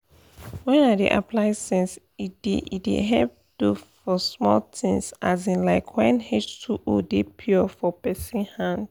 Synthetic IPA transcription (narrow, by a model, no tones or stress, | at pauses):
wɛ̃nadḛʔa̰plaɪsɛ̃ns | ideidḛɦɛp̚d̥ufɔsmɔltʰĩnsazĩnlaɪkʰwɛ̃nhet͡ʃtʰuʔodepʰɔfɔpɛsĩnhãnd